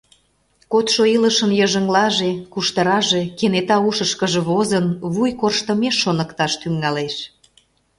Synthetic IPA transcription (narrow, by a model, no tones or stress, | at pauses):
kot̪ʃoiləʃənjəʒəŋlɑʒekuʃt̪əɾɑʒekenet̪ɑuʃəʃkəʒeβozənβujkorʃt̪əmeʃːonəkt̪ɑʃt̪yŋːɑleʃ